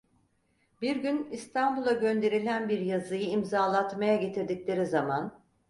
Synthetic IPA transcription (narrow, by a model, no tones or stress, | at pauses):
biɾɟynist̪ʰanbulˠaɟø̞nd̪e̞ɾilʲænbiɾjazɯjɯimzaːlˠat̪majaɟe̞t̪ʰiɾd̪iclʲe̞ɾizaman